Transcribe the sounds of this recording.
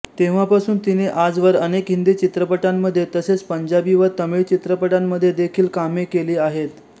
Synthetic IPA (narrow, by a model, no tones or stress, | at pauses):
t̪eʋ̤apasuːnt̪ineʔad͡zʋəɾənekɦind̪iːt͡ɕit̪ɾəpəʈamːəd̪ʱːjet̪əset͡spəɲd͡ʑabiʋəɾt̪əmiɭt͡ɕit̪ɾəpəʈamːəd̪ʱːjed̪ekʰiːlkamekeliːaɦet̪